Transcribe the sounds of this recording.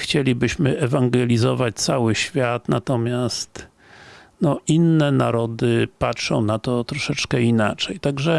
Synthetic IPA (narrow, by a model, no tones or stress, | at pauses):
xt͡ɕelʲibɘɕmɘɛvaŋɡɛlʲizɔvat͡ɕt̪sawɘɕfʲjat̪nat̪ɔmʲjast̪ | nɔʔinːɛnaɾɔd̪ɘpatʂɔ̃w̃nat̪ɔt̪ɾɔʂɛt͡ʂkɛinat͡ʂɛjt̪aɡʐɛ